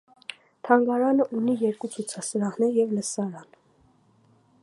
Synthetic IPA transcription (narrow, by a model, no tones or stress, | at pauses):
t̪ʰɑŋɡɑɾɑnəʔunijɛɾkut͡sʰut͡sʰɑsəɾɑhnɛɾjɛvləsɑɾɑn